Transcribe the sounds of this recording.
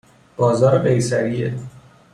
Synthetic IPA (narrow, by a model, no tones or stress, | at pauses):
b̥ɒːzɒːɾeɢejsæɾie